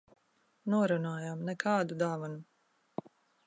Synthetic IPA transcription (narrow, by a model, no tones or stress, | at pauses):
nuɔɾunaːjaːmnɛkʰɑːd̪ud̪aːvanu